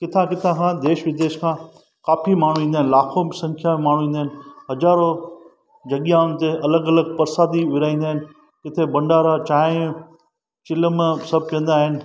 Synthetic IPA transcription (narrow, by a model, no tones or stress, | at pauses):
kɪt̪ʰãkɪt̪ʰãkʰãːd̪eːʃʋɪd̪eːʃkʰãː | kaːfimaːɳ̤ũĩːnd̪aːɦɪnlaːkʰobsɐ̃ŋkʰjamẽmaːɳ̤ũĩːn̆d̪aɦɪnɦɐzaːɾo | d͡ʑɐɠjãʊnɪ̆t̪eʔɐləɡɐləɡ̚pɐɾsaːd̪iʋɪɾaːĩːnd̪aːɦɪn | kɪt̪ʰebɐ̃ɳɖaːɾat͡ʃaːɪ̃ | t͡ʃɪləmsɐb̚ʱkɐ̃n̆d̪aːɦɪnɪ̆